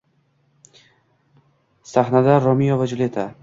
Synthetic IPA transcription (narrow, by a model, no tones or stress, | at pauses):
saχnad̪aɾɒmijovad͡ʒʊlet̪ʰa